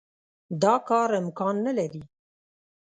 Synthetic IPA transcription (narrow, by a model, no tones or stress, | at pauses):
d̪ɑːkɑːɾɪmkɑːnːɛlɛɾi